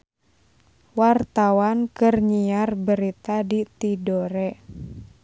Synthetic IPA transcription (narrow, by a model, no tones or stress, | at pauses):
wart̪awankɨrɲiarbəɾit̪adit̪idoɾɛ